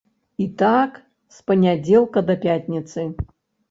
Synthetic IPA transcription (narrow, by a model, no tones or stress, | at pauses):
it̪ak | spɐnʲad͡zʲɛlˠkɐd̪ɐpʲatʲnʲit̪sɨ